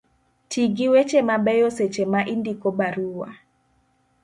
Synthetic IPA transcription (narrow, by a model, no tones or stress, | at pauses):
tiɡiwet͡ʃemabɛjoset͡ʃemaʔindikobaɾuwa̰